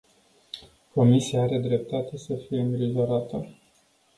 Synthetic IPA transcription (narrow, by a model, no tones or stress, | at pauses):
ko̞misijaaɾe̞d̪ɾe̞p̚t̪at̪e̞səfije̞ɨnɾiʒo̞ɾat̪ə